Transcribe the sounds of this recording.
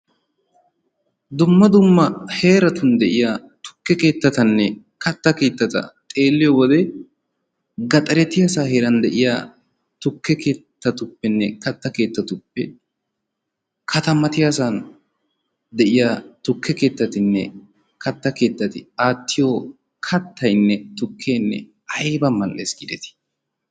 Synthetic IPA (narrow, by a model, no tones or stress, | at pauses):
d̪ʊmːɐd̪ʊmːɐhe̞ːɾɐt̪ʊnd̪ɛʔɪjaː | t̪ʊ̥kːɛke̞ːt̪ːɐt̪ɐnːɛ | kɐt̪ːɐke̞ːt̪ːɐt̪ɐ̰t̪ʼe̞ːlːɪjowɔd̪ɛ | ɡɐt̪ʼɐɾɛt̪ɪjaːsaːhe̞ːɾɐnd̪ɛʔɪjaː | t̪ʊkːɛke̞ːt̪ːɐt̪ʊpːɛnːɛkɐt̪ːɐke̞ːt̪ːɐt̪ʊpːɛ | kʰɐt̪ɐmɐt̪ɪjasan | d̪ɛʔɪjat̪ʊkːɛke̞ːt̪ːɐt̪ɪnːɛ̰ | kʰɐt̪ːɐke̞ːt̪ːɐt̪ɪaːt̪ːɪjo | kʰɐt̪ːɐjnːɛt̪ʊkʰːeːnːɛ̰ | ɐjbɐmɐlʔeːsɡɪd̪ɛt̪ɪ̥